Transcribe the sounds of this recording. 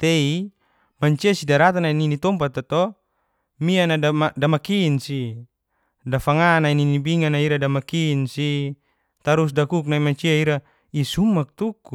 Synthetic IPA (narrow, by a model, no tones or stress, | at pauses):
t̪ei | maɲt͡ʃiasidaɾat̪anaininit̪ɔmpat̪ːat̪ɔ | mianaaadamakinsi | dafaŋanaininibiŋanaiɾadamakinsi | t̪aɾus̬dakuk̬̚naimaɲt͡ʃiaiɾa | isumak̚t̪uku